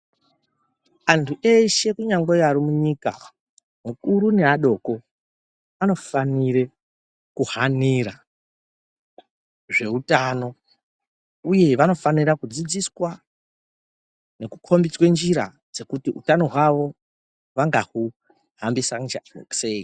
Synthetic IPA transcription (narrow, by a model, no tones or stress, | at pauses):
antʰuʔe̞ʃe̞kuɲaŋɡojaɾimuɲika̰ | mukuɾune̞aɗo̞ko̞ | ano̞fanire | kuhaniɾa | ʐe̞utano̞ | uje̞ʋano̞faniɾakud͡zid͡ziswa | ne̞kukʰo̞mbit͡swe̞nd͡ʒiɾa̰ | d͡ze̞kutiṵtano̞ɦwaʋo̞ | ʋaŋɡahu | hambisaŋd͡ʒaḛksei